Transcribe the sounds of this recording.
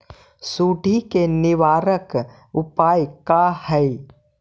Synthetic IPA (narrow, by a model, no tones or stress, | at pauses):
suːɖʱikenɪʋaːɾək | ʊpaːjkahɛj